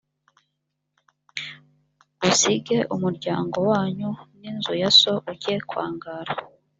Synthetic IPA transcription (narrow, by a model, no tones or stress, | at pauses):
ɡusiɡe̞ʔumuɾɟaːŋɡo̞waːɲuninzujaso̞ʔuɟekwa̰ːŋɡaːɾa